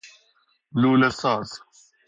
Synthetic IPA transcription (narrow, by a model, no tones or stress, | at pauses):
luːlɐsaːz